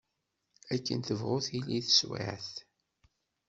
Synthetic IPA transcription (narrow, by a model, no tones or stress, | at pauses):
ækːə̰nt̪əvʁʊθiliθə̥swḭʕθ